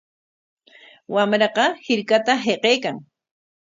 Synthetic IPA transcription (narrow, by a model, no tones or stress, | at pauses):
wamɾɑqɑhɪɾkat̪aɦeqeːkaŋ